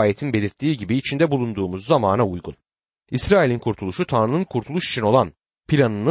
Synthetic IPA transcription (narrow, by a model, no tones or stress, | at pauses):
jet̪ʰinbe̞lʲiɾt̪ʰːiːɟibiːt͡ʃʰind̪ɛbulˠund̪uːmuzːamaːnaujɡun | isɾaːilʲinkʰuɾt̪ʰulˠuʃut̪ʰanɾɯnɯnkʰuɾt̪ʰulˠuʃi̥t͡ʃʰino̞lˠan | pʰilʲanɯn